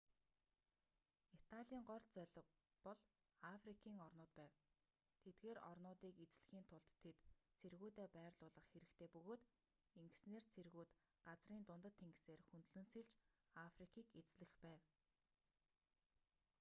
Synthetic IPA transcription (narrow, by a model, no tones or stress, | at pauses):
it̪ʰaɮʲiːŋɢɔrt͡sœɮɪ̆ | pɔɮ | afrikʰiːŋɔrnʊːt̪̚pæːw | t̪ʰet̪̚ɡeːɾɔ̰rnʊːt̪iːket͡sɮ̆xiːnt̪ʰʊɮt̪ʰːet̪t͡sʰerɣuːt̪eːpæːrɮʊːɮə̆χxeɾɘ̆kt̪ʰeːpɵɣoːt̪ | eŋɡɘ̆sneːrt͡sʰerɣuːt̪ | ɢat͡sriːnt̪ʊnt̪ə̆t̪ʰːeŋɡseːrxunt̪ɮɘ̆nsiɮt͡ɕ | afrikʰiːket͡sɮɘ̆xpæːw